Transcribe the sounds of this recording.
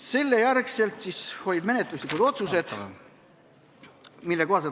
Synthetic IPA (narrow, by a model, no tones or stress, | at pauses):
se̞lːejærkse̞lt̪sisho̞jd̥me̞net̪ˑluslikːˑud̪o̞t̪suse̞d̪̥ | milːeko̞hɑse